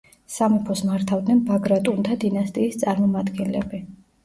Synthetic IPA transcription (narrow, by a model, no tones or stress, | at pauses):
samɔpʰɔsmaɾt̪ʰavd̪nɛnbaɡɾat̪ʼunt̪ʰad̪inast̪ʼiːst̪sʼaɾmɔmad̪ɡɛnlɛbi